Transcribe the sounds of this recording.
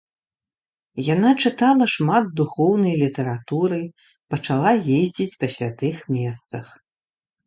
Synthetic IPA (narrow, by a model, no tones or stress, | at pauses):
janat͡ʂɨt̪alˠɐʂmad̪̚d̪uxɔwnɐjlʲit̪ɐɾat̪uɾɨj | pɐt͡ʂalˠajezʲd͡zʲit͡sʲpasʲlʲat̪ɨxmʲɛst̪sɐx